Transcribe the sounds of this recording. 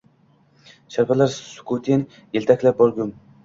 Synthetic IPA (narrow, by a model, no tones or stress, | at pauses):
ʃaɾpʰalaɾsʊ̥kʰut̪ʰin | jelʲt̪ʰakʲlap̚bɒɾɡʲʊm